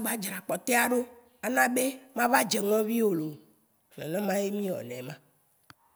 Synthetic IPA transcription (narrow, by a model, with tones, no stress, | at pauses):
ɡ͡ba˦d͡ʒɾa˨k͡pɔ˨t̪e˦a˨ɖo˦ | a˨nã˦be˦mã˦va˦d͡ʒe˨ŋɔ̃˦vi˦wo˨lo˨ | ɔ̰̃˨nã˦mã˦je˦mĩ˦wɔ̰˨nɛ̰̃˨mã˦